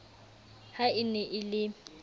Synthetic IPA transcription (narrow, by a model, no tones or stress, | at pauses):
haɪnɛʔɪlɪ